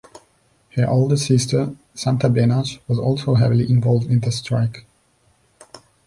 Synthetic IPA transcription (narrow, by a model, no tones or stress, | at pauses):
hə˞ʔoʊlˠdəsɪstʰə˞ | sãntəbɛnaʃwʌzɔ̰lˠsoʊɦɛvɪliʔɪ̃ɱvɔlˠvdɪ̃nðəstʰɹaɪk